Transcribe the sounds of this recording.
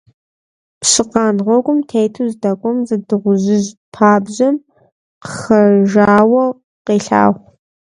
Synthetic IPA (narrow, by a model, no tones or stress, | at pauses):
pɕɨqɑːnʁʷɔkʷʼʊmtʰejtʰuzdɐkʷʼʊmzɐdɨʁʷʊʑɪʑpʰaːbʑɐm | qəxɐʒaːwɐ | qeːɬa̰ːʁʷ